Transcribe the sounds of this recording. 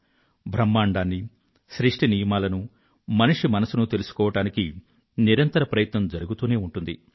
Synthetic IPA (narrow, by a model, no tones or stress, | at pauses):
bʱɾɐmːaːɳɖaːnːi | ʃɾiʂʈinijɐmaːlɐnu | mɐniʂimɐnɐsunut̪e̞lusu̥kɔːʋɐʈaːniki | niɾɐnt̪ɐɾɐpɾɐjɐt̪nɐmd͡ʒɐɾuɡut̪uːne̞ːuɳʈund̪ḭ